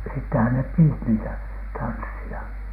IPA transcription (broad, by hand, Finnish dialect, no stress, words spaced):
sitːehæn nep piːt niːtæ tɑnsːiɑ